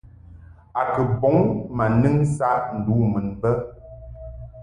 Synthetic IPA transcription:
a˨kə˨bɔ˨˦ŋma˨nɨ˦ŋsa˦ʔn̩˨du˨˦mə˨nbə˦

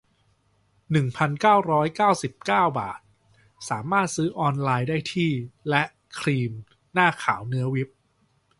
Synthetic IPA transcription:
nɯ˨˩ŋpʰa˧nkaː˥˩wɾɔː˦˥jkaː˥˩wsi˨˩p̚kaː˥˩wba̰ː˨˩t̪̚ | saː˩˦maː˥˩t̪̚sɯː˦˥ʔɔː˧nlaː˧jdaː˥˩jt̪ʰiː˥˩lɛ˦˥ʔ | kʰɾiː˧m | naː˥˩kʰa̰ː˩˦wnɯ˦˥ɐwi˦˥p̚

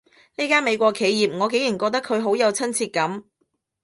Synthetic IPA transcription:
niː˥kaː˥nme˨˧jkʷɔː˧kʰe˨˧jjiː˨p̚ŋɔː˨˧ke˨˥jiː˨˩nkɔː˧k̚t̪ɐ˥kʰːɵ˨˧ɥɦo˨˥wjɐ˨˧wt͡sʰɐ˥nt͡sʰiː˧t̚kɐ˨˥m

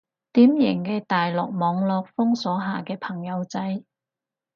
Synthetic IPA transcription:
t̪iː˨˥mjɪ˨˩ŋkɛː˧t̪aː˨jlɔː˨k̚mɔː˨˧ŋlɔː˧k̚fʊ˥ŋsɔː˨˥ɦaː˨kɛː˧pʰɐ˨˩ŋjɐ˨˧wt͡sɐ˨˥j

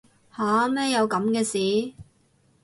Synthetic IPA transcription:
haː˨˥mɛː˥jɐ˨˧wkɐ˨˥mkɛː˧siː˨˧˥

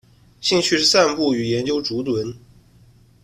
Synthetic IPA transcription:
ɕi˥˧ŋt͡ɕʰy˥˧ʂɻ̩˥˧sa˥˧npu˥˩y˨˩jɛ˧˥nt͡ɕjo˥ʊʈ͡ʂu˧˥t̪wə˧˥n

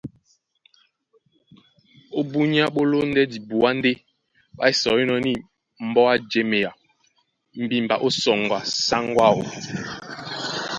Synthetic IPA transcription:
o˦bu˦ɲ˦a˦ɓo˦lo˦n˦dɛ˦di˨bu˨a˦n˦de˦ | ɓa̰˦i˦sɔ˨i˦nɔ˨ni˦˨ | m̩˨˦bɔ˦a˦d͡ʒe˦me˨ja˨ | m̩˨bi˦m̩˨ba˨ʔo˦sɔ˨ŋ˨ɡwa˨sa˦ŋɡwa˦˨ɣo̰˨

